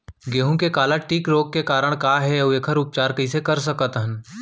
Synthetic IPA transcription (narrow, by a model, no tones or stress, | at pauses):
ɡeːɦũkekaːlaʈiːkɾoːɡ̚kekaːɾəɽ̃kaːɦɛɐeːkʰəɾʊp̚t͡ʃaːɾkɐisekɐɾsɐkət̪ɦən